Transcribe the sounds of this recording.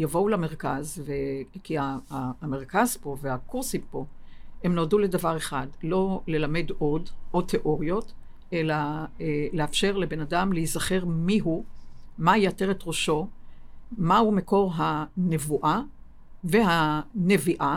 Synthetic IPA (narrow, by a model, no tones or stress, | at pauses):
javo̞ulameʁkazvekiame̞ʁkazpo̞vehakuʁsimpo̞emnoduledavaʁe̞χadlo̞le̞lame̞do̞dʔot̪ʰːe̞ʔo̞ʁjo̞t | ʔe̞laeleafʃe̞ʁle̞be̞nadamleizaχe̞ʁmiɦumajateʁet̪ʁoʃo̞ | maumeko̞ʁɦane̞vuʔa | vehane̞viʔa